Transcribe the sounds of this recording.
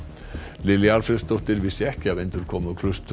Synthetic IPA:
lɪljalfɾɛst̪ɔht̪ɪɾvɪsɪɛhcɪavejnt̪ʏɾ̥kʰɔːmʏɔkʰlʏst̪

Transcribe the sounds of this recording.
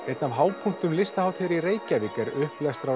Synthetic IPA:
ɛt̪navɦaːwpʰuŋ̥kt̪ʏmlɪst̪ahawt̪ʰɛɾiɾeːjcavɪkɛɾʏhplɛst̪ɾa

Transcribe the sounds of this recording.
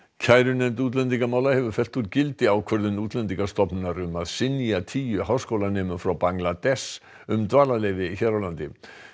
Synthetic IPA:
cʰaːjɾʏnɛmt̪uːt̪̬lɛnt̪̬iŋkamaːwlahɛvʏ̥fɛl̥t̪uɾcɪlt̪ɪawkʰvœɾðʏnuːt̪lɛnt̪iŋkast̪ɔpnɪnaɾʏmaðsɪniat̪ʰiːjʏɦaːwskowlanɛːmʏfɾawpaŋlat̪ɛs | ʏmt̪vaːlalejvɪiçɛɾawlant̪ɪ̰

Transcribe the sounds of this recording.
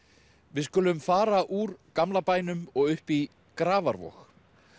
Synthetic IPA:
vɪðskʏːlʏmfaːɾaʔuɾkamlapaːjnʏmɔɣʏhpi | kɾaːvaɾvɔ̰x

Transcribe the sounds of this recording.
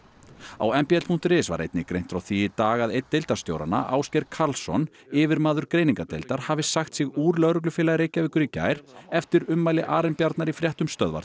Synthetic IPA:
a̰wɛmpiɛt̪l̥pʰuŋ̥t̪ɾɪsva̰ɾʔḛjt̪nɪkɾejn̥t̪ɾawθiɪt̪aːɣaðejt̪ːejlt̪aɾ̥st̪jo̰wɾa̰na̰ʔa̰ːwscɛjɾkʰaɾlsɔ̰n | ɪvɪɾmaːðʏɾ̥kɾeːjniŋkat̪ḛlt̪aɾ̥haːvɪsaxt̪sɪɣuːɾlœɣɾʏk̬lʏfɪːlaɾejcːavɪːkʏɾicːa̰ːjɾ̥ɛft̪ɪɾʏmːajlɪʔaːɾɛmpjaɾt̪naɾifɾjɛht̪ʏmst̪œðva̰ɾt̪

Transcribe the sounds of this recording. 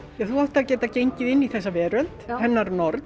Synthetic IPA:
jɛθuɔht̪acɛːt̪acejɲcɪðɪnːiθɛsːavɛːɾʏnt̪hɛnːaɾnɔɾt̪

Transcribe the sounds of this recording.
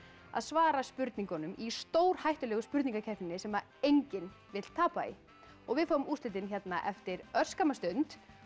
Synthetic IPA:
a̰ðsvaːɾaspʏɾt̪niŋkɔnʏmist̪oːwɾ̥hajht̪ʏlɛɣʏspʏɾt̪niŋkacʰɛft̪nɪnɪsɛma | ejɲcɪn | vɪt̪l̥t̪ʰaːpaḭ | ɔɣvɪðfaːwʏmuːsɪt̪ɪnçɛt̪naʔɛft̪ɪɾœr̥skamast̪ʏnt̪

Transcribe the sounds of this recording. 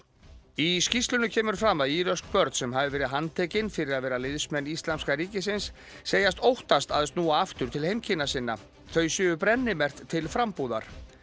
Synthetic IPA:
iscist̪lʏnʏcʰɛːmʏɾ̥fɾamːaðiːɾœsk̚pœɾt̪sɛmɦavɪvɛːɾɪðɦant̪ʰɛːcɪnfɪɾɪɾaðvɛːɾalɪðsmɛnːist̪lamskaɾiːcɪs̬ɪnsː | eːjast̪owht̪ast̪aðɛst̪nuːaaft̪ʏɾt̪ʰɪlhejmcʰɪnːasɪnːa̰ | θœɥjsjʏːʏpɾɛnːɪmɛr̥t̪ʰːɪlfɾampuːða̰ɾ̥

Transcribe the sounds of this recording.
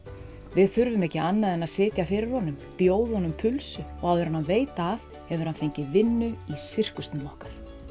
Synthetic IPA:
vɪðθʏɾvʏmɛcɪʔanːaðɛnaðsɪːt̪jafɪɾɪɾ̥hɔnːʏmpjoːwðʏhɔnʏmpʰʏlsʏɔɣawðʏɾanhanveːjt̪aːv | hɛvʏɾhanfejɲcɪvɪnːʏisɪr̥kʏst̪nɪlɔhkaɾ̥

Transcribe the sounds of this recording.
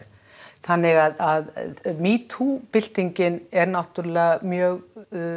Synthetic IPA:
θanːɪɣaðaðmiːt̪ʰupɪl̥t̪iɲcɪnɛɾnawht̪ʏɾlɛamjœːɣ

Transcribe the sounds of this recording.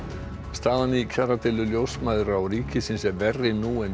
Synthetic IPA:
st̪aːðaniikʰaɾat̪ɛlʏljowsmaðɾawɾiːcʰɪsɪnsɛɾvɛrːɪnuːɛn

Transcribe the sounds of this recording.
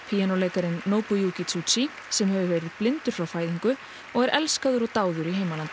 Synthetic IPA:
pʰijanowleːjkaɾɪnːoːwpɔjuːkit̪ʰut͡ʃi | sɛmɦɛvʏvɛːɾɪð̥plɪnt̪ʏɾ̥fɾawfaːjðiŋkʏ | ɔɣɛɾʔɛlskaðʏɾɔt̪aːwðʏɾiɦejmalant̪

